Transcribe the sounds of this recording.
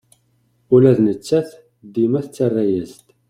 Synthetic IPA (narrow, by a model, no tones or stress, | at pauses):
ʊlæðnət͡sːæθ | d̪ːimæθt͡sːarˤːæjæst̪